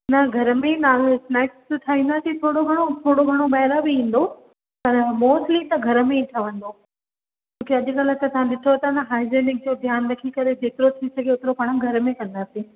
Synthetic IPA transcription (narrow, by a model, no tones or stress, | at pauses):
nɐɡʱɐɾəmẽnaːlsnaːɪksʈ̪ʰaːɦĩnd̪asĩt̪ʰoːɽoɡʱɐɽ̃ot̪ʰoːɽoɡʱɐɽ̃obɐɦɾabɪɦĩːn̆d̪o | pɐɾmoːsʈlit̪ɐɡʱɐɾəmẽiʈʰɐʋə̃nd̪o | d͡ʑt͡ɕõːkeɐʄ̆kalət̪ɐsãɗɪt̪ʰot̪ɐnɐɦaːɪzeːnɪk̚d͡ʑoːd̪ʱjaːnɾɐkʰikɐɾed͡ʑeːt̪ɪɾot̪ʰisɐɡʱeʊt̪ɪɾopaːɽ̃əɡʱɐɾəmẽkɐ̃nd̪aːsĩː